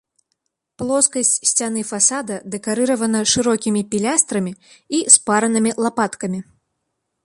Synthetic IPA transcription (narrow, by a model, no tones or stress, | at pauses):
plˠɔskɐsʲt͡sʲsʲt͡sʲan̪ɨfasad̪ɐd̪ɛkaɾɨɾɐvɐnɐʂɨɾɔkʲimʲipʲilʲast̪ɾɐmʲiispaɾɐnɨmʲilˠapat̪kɐmʲi